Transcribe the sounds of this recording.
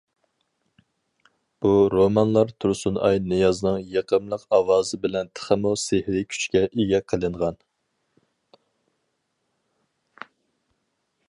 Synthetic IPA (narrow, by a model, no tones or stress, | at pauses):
b̥uɾomɑnlˠɑɾt̪ʰuɾsunɑ̰jnɨjɑzɨnɨŋjeqʰəmlˠəqɑwɑːzɨbɪlɛnt̪ʰə̥χəmusehɾɪkʲʰy̥t͡ʃkʲɛʔeɡʲɛqʰəlˠɨɴʁɑn